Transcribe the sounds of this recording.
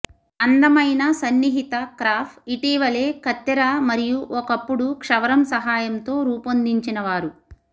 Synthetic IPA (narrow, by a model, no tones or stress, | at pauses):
ɐnd̪ɐmɐjnɐsɐnːiɦit̪ɐkɾaːpʰiʈiːʋɐle̞ːkɐt̪ːɐɾaːmɐɾijuʔɔkɐpːuɽukʂɐʋɐɾɐmsɐɦaːjɐmt̪o̞ːɾuːpond̪iɲt͡ʃinɐʋaːɾu